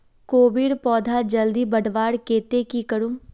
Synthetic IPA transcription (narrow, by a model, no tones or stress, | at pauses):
koːbiɽpɔːd̪ʱaːd͡ʒəld̪iːbəɖʋaːɽkeːt̪ekikəɽum